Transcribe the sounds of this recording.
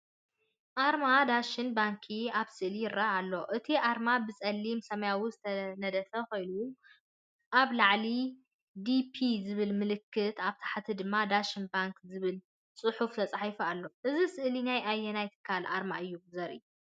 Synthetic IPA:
ʔaɾmad̪aʃɪnbaŋkʰiaβsɨʔlijɪɾaalːo̞ʔɨt̪ʰiʔaɾmabɨt͡sʼɐlːimsɐmɐjawuzɨt̪ʰɐnɐd̪ɐfɐko̞jnu | ʔaβlaʕli | d̪ipʰizɨβɨlmɨlɨkʰːɨt̪aβt̪ʰḁħat̪ʰid̪ɨmːad̪aʃɪnbaŋkzɨβɨl | t͡sʼɨħuft̪ʰɐt͡sʼaħijfalːo̞ʔɨzisɨʔlinajajɛnajt̪ʰɨ̥kʰːalʔa̰ɾmaʔɨjːuzɐɾʔɨ̰ju

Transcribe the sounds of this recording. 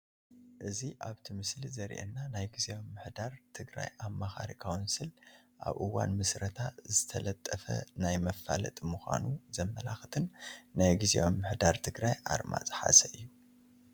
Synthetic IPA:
ʔɨziʔaβt̪ʰimɨslizɐɾʔḛnːanajɡizeo̞mːɨħd̪aɾt̪ʰɨɡɾa̰jʔamːaxaɾikʰawɨnsɨlʔa̰βʔɨwa̰nmɨsɾɐt̪ʰazɨt̪ʰɐlɐt̪ʼːɐfɐ̰najmɐfːalɐ̰t̪ʼmuxʷa̰nuzɐmːɐlaxt̪ʰɨnnajɡizḛʔomːɨħd̪aɾt̪ʰɨɡɾajʔa̰ɾma̰t͡sʼɨ̥ħa̰sɐɨjːu

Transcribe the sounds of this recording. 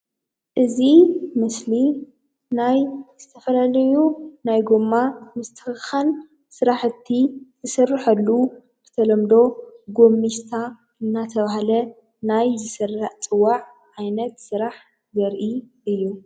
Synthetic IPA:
ʔɨzimɨsli | najz̥ɨt̪ʰɐfɐlalɐjunajɡomːamɨst̪ʰɨ̥xɨxan | sɨɾaħɨt̪ʰːizɨsɨrːɨħɐlːu | bɨ̥t̪ʰɐlɐmd̪o̞ɡo̞mːiʃt̪ʰa | ɨnːat̪ʰɐβaɦalɐ | najzɨsɨrːaħt͡sʼɨwːaʕ | ʕajnɐt̪sɨɾaħ | zɐɾʔi | ʔɨjːu

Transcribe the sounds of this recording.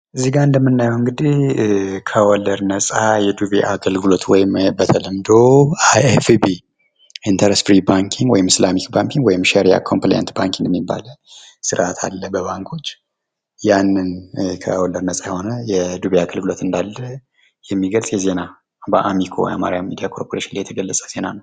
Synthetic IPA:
ʔɨziɡaɨnd̪əmːɨnːajɛwɨŋɡɨd̪ihkʰəwɔlːəɾnəsʼajɛd̪ubeʔaɡəlɡɨlo̞t̪wɔjɪmbət̪ʰələmd̪oaefbi | int̪ʰəɾesfɾibaŋkʰiŋɡwɔjɪmɪslamikbaŋkiŋɡwɔjɪmʃɛɾija̰kʰompleja̰nt̪baŋkʰiŋɡjɛmːibːa̰lə | sɨɾʔat̪ʰa̰lːəbəβaŋkʰo̞t͡ʃː | janːɨnkʰə̰wɔlːəɾnəsʼajɛho̞nəjɛd̪uβeaɡəlɡɨlo̞t̪ɨnd̪alːə | jɛmːiɡəlsʼjɛze̞na | baʔamikʰow̰ja̰ma̰ɾijamːid̪ijakʰo̞ɾpʰoɾeʃinlajɛt̪ʰəɡəlːəsʼəz̥e̞nanəw

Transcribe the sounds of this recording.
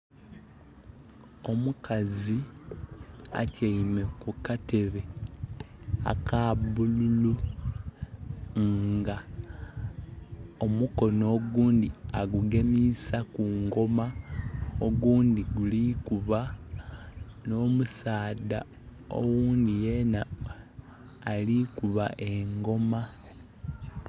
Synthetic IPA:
o̞mukʰazi | a̰caime̞kukate̞βe̞ | a̰kaβululu | ŋɡa | o̞muko̞no̞ːɡuːndiaɡuɡemisakuŋɡo̞ma | oɡuːnd̪iɡulikuβa | no̞ːmusaːda̰ | o̞̰wuːndije̞na | likuβa̰ʔeŋɡo̞ma

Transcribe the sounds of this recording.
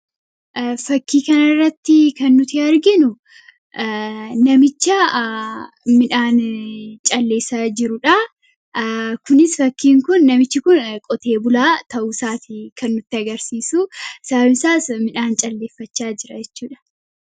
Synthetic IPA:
ʔfɐkːiːkɐnɐɪrːɐt̪ːɪkɐnːʊt̪ɪɐɾɡɪnʊ | nɐmɪt͡ʃːɐ | mɪᶑaːnt͡ʃʼɐlːe̞ːsad͡ʒɪɾʊᶑɐ | kʊnɪsfɐkːiːŋkʊnːɐmɪt͡ʃːɪkʊnkʼɔt̪e̞ːbʊlaːt̪ɐʔuːsaːt̪ɪkʰɐnːʊt̪ːɪɐɡɐɾsiːsusɐbmɪsaːsmɪᶑaːnt͡ʃʼɐlːe̞ːfːɐt͡ʃːaːd͡ʒɪɾɐd͡ʒɛt͡ʃːuːᶑɐ̥

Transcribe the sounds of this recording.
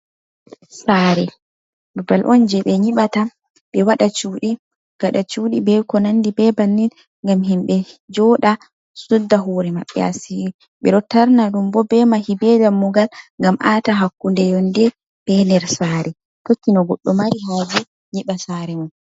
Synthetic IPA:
saːɾɛ | bubalʔɔnd͡ʒɛɓɛɲiɓata | bɛwaɗat͡ʃuːɗi | ɡ̥aɗat͡ʃuːɗibɛkɔnandibɛbanːin | ŋɡamɦimɓɛd͡ʒɔɗa | sudːaɦoɾɛmaɓːɛ̰a̰si | ɓɛɗɔtaɾnaɗumbɔbɛmahibɛdamːuɡalŋɡamʔataɦakːundɛjɔndɛ | b̥ɛndɛɾsaːɾɛ | tokːinɔɡɔɗːɔmaɾiɦad͡ʒɛ | ɲiɓasaɾɛmun

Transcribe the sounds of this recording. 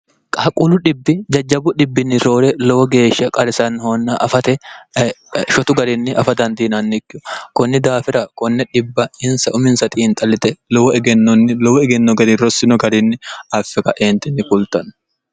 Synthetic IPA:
kʼakʼʊlʊᶑɪbːɪd͡ʒɐd͡ʒːɐbʊᶑɪbːɪnːɪɾo̞ːɾɛlɔwɔɡe̞ːʃɐkʼɐɾɪsɐnhonːɐʔɐfɐt̪ɛ | ʃɔt̪ʊɡɐɾɪnːɪʔɐfɐt̪ɐnd̪iːnɐnːɪkːɪɔkɔnːɪd̪aːfɪɾɐkɔnːɛᶑɪbːɐɪnsɐʔʊmɪnsɐt̪ʼiːnt̪ʼɐlɪt̪ɛlɔwɔɛɡɛnːɔnːɪlɔwɔɛɡɛnːɔɡɐɾɪɾɔsːɪnɔɡɐɾɪnːɪɐfːɛkɐʔeːnt̪ɪnːɪkʊlt̪ɐnː

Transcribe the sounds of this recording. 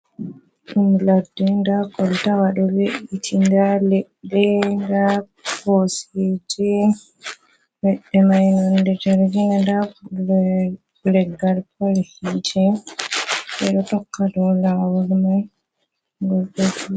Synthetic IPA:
ɗumladːɛndakɔltawaɗɔweʔitʰindalɛɗːɛnda | pɔsɛd͡ʒɛ | wɛɗːɛmajnandɛtɛɾɡinanda | lɛɡːalpʰolihid͡ʒɛ | ɓɛɗɔtɔkːadɔlawɔɾmaj | ɡɔlɗod͡ʒi

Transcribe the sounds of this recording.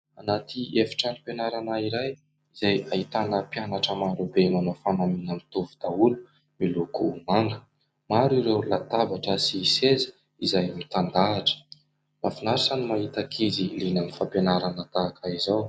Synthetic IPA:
anat̪iefi̥ʈ͡ʂanipenaɾanaiɾaj | izajaɦit̪anəpjanaʈ͡ʂəmaɾubemanofanaminəmit̪uvud̪̥aulu̥ | milukumaŋɡə̥ | maɾiɾewlat̪abaʈ͡ʂəsisezə̥ | izajmit̪and̪aːʈ͡ʂə̥ | mafinaɾisanimaɦit̪akʰizilinanifampenaɾanət̪aːkʰaizaw

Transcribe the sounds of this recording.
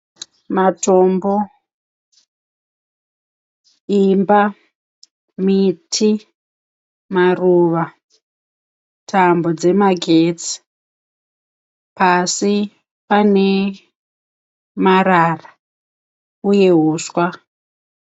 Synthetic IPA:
mato̞mbo̞ | imba | mitʰi | maruʋa | tʰambo̞d͡ze̞maɡʱet͡si̥ | pasi | pane̞ | marara | uje̞ɦuːswa

